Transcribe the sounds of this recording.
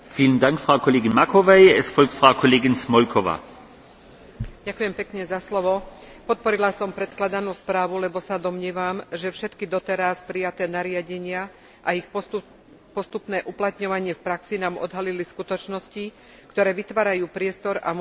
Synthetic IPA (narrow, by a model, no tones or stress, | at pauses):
fiːlənd̪aŋkfʁaʊkʰɔleːɡinmakʰɔʋɛɪɛsfɔlk̚t̪fʁaʊkʰɔleːɡɪnsmɔlkʰɔʋa̰ː | ɟakujɛmpɛkɲɛzaslɔʋɔ | pɔt̪̚pɔɾilasɔmpɾɛt̪klad̪anuːspɾaːʋulɛbɔsad̪ɔmɲɪɛːʋamʒɛfʃɛt̪kid̪ɔt̪ɛɾaspɾijat̪ɛːnaɾɪaɟɛɲɪa | ʔaix | pɔst̪upnɛːʔuplat̪ɲɔʋaɲɪɛfpɾaksinaːmɔ̰d̪ɦaliliskut̪ɔt͡ʃnɔsci | kt̪ɔɾɛːʋit̪ʋaːɾajuːpɾɪɛst̪ɔɾa̰m